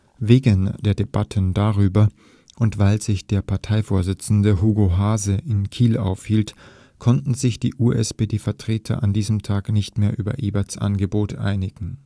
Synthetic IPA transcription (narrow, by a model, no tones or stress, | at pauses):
veːɡənd̥eːɐdeb̥atʰəndaʁyːbɐ | ʔʊntv̥aɪlz̥ɪçd̥eːɐpʰaɐtʰaɪfoːɐzɪt͡sn̩dəɦuːɡoɦaːzəʔɪnkʰiːla̰ʊfhiːlt | kʰɔntn̩zɪçd̥iːʔuːʔɛspedeːfɛɐtʁ̥eːtʰɐ̰ʔandiːzəmtʰaːknɪçtmeːɐʔyːbɐ̰ʔiːbɐsʔa̰nɡəboːtʰʔa̰ɪnɪɡ̥ŋ̩